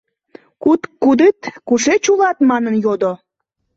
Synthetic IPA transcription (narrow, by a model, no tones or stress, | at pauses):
kut̪kːud̪et̪kuʃet͡ɕulɑt̪mɑnənjod̪o